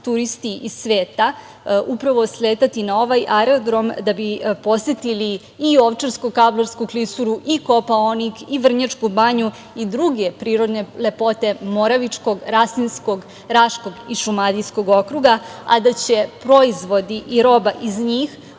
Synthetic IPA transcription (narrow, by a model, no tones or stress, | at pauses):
t̪uɾist̪iisʋeːt̪a | upɾaʋo̞sleːt̪at̪inao̞ʋajʔaɾod̪ɾo̞md̪abipo̞set̪iliː | o̞ʋt͡ʃaɾskokabloɾskuklisuɾuʔikopaonikiʋr̩ɲat͡ʃkubaɲu | id̪ɾuɡe̞pɾiːɾo̞d̪ne̞le̞po̞t̪e̞mo̞ɾaʋit͡ʃko̞ɡɾasninsko̞ɡ | ɾaʃko̞ɡiʃumad̪ijsko̞ɡo̞kɾuɡaa̰d̪at͡ɕepɾo̞izʋo̞d̪iʔiɾo̞baʔizɲiːx